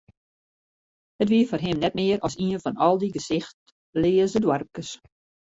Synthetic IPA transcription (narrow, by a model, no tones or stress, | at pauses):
hətʋiəfɔrɦɪmnɛt̚mɪːəɾɔsiənfɔnɔlˠdiɡəsɪxt | lɪːəsdədwɔrp̚kəs